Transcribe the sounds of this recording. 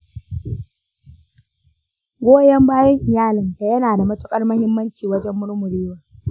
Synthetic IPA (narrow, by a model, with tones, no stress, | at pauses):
ɡʷoː˦jɐ˦mbaː˦jɐ˦ŋʔɪ˨jaː˦lɪ˨nda˨jɐ˦naː˨da˨mɐ˦tʊ˦kʼɐ˦rmɐ˦hɪ˦mːɐ˦nt͡ʃiː˨wɐ˦d͡ʒɛ˦mːʊ˦ɽmʊ˨ɽiː˦waː˨